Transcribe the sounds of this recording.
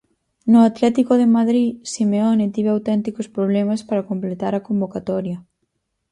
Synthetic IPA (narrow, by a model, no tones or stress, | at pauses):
nʊat̪lɛt̪ikoðɪmaðɾisimeɔnɪt̪iβeawt̪ɛnt̪ikospɾoβlɛmaspaɾakomplet̪aɾɐkombokat̪ɔɾjɐ